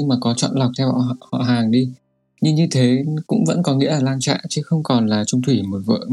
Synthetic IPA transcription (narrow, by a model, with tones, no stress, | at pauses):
ŋmaː˨˩kɔ˨˦t͡ɕɔ̰˧˨nla˨˩wk͡p̚t̪ʰɛ˧w̰hɔ̰˧˨ɦaː˨˩ŋɗi˧ | ɲɨ˧ŋɲɨ˧t̪ʰe˨˦kʊ̰˧˥ŋ͡mvə̰˧˥nkɔ˨˦ŋḭ˧˥əʔaː˨˩laː˧ŋt͡ɕa̰ː˧˨ʔt͡ɕɨ˨˦xə˧wŋ͡mkɔ˨˩nlaː˨˩t͡ɕʊ˧ŋ͡mt̪ʰwi˧˩mo˨˩t̚və̰ː˧˨